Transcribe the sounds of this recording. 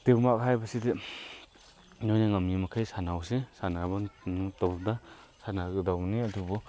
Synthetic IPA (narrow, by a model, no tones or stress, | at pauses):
d̥ebmakɦajbaside | nojnaŋamnimakʰajsanawsesanabatɔbda | sanaɡɯdawmniɐdubɔ